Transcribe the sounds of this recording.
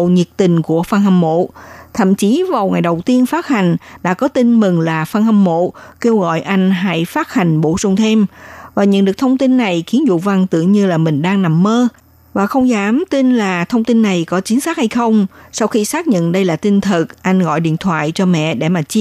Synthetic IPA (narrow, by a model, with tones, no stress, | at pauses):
ɲi˨˩ək̚t̪ï˨˩ŋ̟ku˧˩əfa˧nɦa˨˩ŋmo̰˧˨t̪ʰə̰˧˨mt͡ɕi˨˦vaː˨˩wŋa˨˩jɗə˨˩wt̪i˧ənfaː˦˥t̚ha˨˩jŋ̟ɗa̰ː˧˥kɔ˨˦t̪i˧nmɨ˨˩ŋlaː˨˩fa˧nha˨˧˩ŋmo̰˧˨ke˧wɣɔ̰˧˨jʔa˧jŋ̟ɦa̰ː˧˥jfaː˦˥t̚ha˨˩jŋ̟ɓo̰˧˩zʊ˨˧˩wŋ͡mt̪ʰe˧mvaː˨˩ɲə̰˧˥nɗɨ˨˩ək̚t̪ʰə˧wŋ͡mt̪i˧nːa˨˩jxi˨˦ənzṵ˧˨va˧ŋt̪ɨ̰˧˨əŋɲɨ˧laː˨˩mï˨˩ŋ̟ɗaː˧ŋna˨˩mːəː˧ | vaː˨˩xə˧wŋ͡mzaː˨˦mt̪i˧nlaː˨˩t̪ʰə˧wŋ͡mt̪i˧nːa˨˩jkɔ˨˦t͡ɕï˨˦ŋ̟saː˦˥k̚ha˧jxə˧wŋ͡msa˧wxi˧saː˦˥k̚ɲə̰˧˨nɗə˧jlaː˨˩t̪i˧ŋ̟t̪ʰɨ˨˩k̚ʔa˧jŋ̟ɣɔ̰˧˨jɗḭ˧˨ənt̪ʰwa̰ː˧˨jt͡ɕɔ˧mɛ̰˧˨ɗe˧˩maː˨˩t͡ɕi˦˥